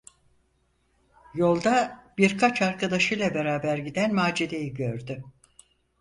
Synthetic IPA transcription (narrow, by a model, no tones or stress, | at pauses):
jo̞lˠd̪abiɾkʰat͡ʃaɾkʰad̪aʃɯjlˠabe̞ɾaːbæɾɟid̪ænmaːd͡ʒid̪ejiɟøɾd̪y